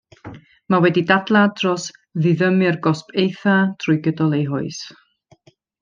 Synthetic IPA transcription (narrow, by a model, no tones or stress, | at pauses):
mawɛdidadlˠadrɔs | ðɨðəmɨrɡɔspʰejθadʰrʊɨɡədɔlˠejɦʊɨs